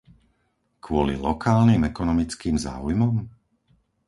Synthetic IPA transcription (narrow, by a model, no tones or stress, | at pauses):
kʰʋʊɔlḭlɔkaːlnimɛkɔnɔmit͡skiːmza̰ːujmɔm